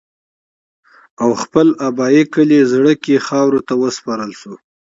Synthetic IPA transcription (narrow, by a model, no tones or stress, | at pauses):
awxpəlabɑikəlezɽəkexɑwɾot̪awəspɑɾəlʃo